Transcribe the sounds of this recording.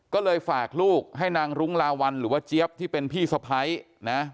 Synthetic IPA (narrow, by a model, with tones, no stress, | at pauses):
kɔː˥˩lɤː˧jfaː˨˩k̚luː˥˩k̚ɦa˥˩jnaː˧ŋɾu˦˥ŋlaː˧wa˧nɾɯː˩˦waː˥˩t͡ɕi˦˥əp̚t̪ʰiː˥˩pe˧npʰiː˥˩sa˧pʰa˦˥j | na˦˥